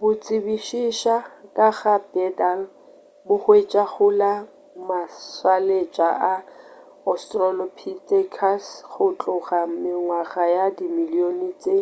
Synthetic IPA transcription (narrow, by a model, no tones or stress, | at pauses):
bʊt͡sʼɪbiʃiʃakʼaɣabɛdal | bʊhwet͡ʃʼaχʊla | maswalet͡ʃʼaʔa | ɔstʼrɔlɔpʰitekʰasχʊt͡ɬʼʊχamɪŋwaχajadimilionit͡sʼe